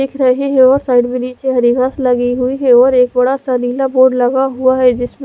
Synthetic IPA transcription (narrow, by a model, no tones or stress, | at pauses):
ɪkʰɾɐɦiɦɛ̃ɔːɾsaːɪɖbɪliːt͡ʃeɦɐɾiɡaslɐɡiɦuiɦɛɔːɾeːkbɐɽasɐɾiːlaboːɾɖlɐɡaɦuaɦɛd͡ʒɪsm